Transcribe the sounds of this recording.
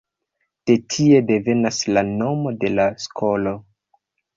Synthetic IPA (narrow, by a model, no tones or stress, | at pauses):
d̥e̞tʰie̞de̞ve̞naslano̞mo̞de̞laskʰo̞lo̞